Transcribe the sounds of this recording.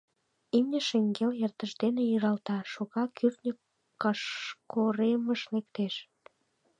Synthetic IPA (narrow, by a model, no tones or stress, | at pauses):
imnʲəʃeŋɡeljert̪əʃd̪enejyɾɑlt̪ɑʃoɣɑkʰyrt̪nʲə | kɑʃkoɾeməʃlekt̪eʃ